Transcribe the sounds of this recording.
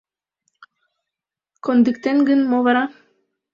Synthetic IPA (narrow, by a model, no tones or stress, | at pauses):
kond̪ikt̪enɡənmoβɑɾɑ